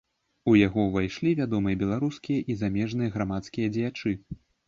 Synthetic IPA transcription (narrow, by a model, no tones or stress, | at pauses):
ujaɣɔvajʂlʲivʲad̪ɔmɨjɐbʲɛlˠaɾuskʲijɐʔizamʲɛʐnɨjɐɣɾamat̪skʲijɐd͡zʲɛjat͡ʂɨ